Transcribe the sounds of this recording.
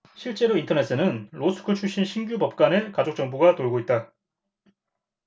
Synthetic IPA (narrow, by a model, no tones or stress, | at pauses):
ɕʰiɭt͡ɕ͈e̞ɾointʰʌne̞s͈ɯnɯnɾosʰɯ̥kʰɯt͡ɕʰuɕ͈inɕʰinɡjubʌp̚k͈ane̞kad͡ʑok̚t͡ɕ͈ʌŋbuɡatoɭɡoit̚t͈a